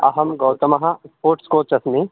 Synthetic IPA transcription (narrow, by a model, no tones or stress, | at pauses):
ɐ̰ɦɐmɡɐwt̪ɐmɐɦɐspoːɾʈskoːt͡ʃɐsmi